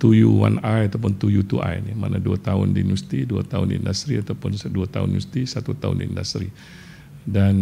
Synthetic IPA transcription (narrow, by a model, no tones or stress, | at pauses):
t̪ujuwa̰najat̪awp̬ʊnt̪ujut̪uʔa̰jnimanaduat̪aʊndinust̪iduat̪aʊnḭndast̪ɾiat̪awpʊnduat̪a̰ʊ̰nnust̪isat̪ut̪aʊ̰ndindast̪ɾi | dan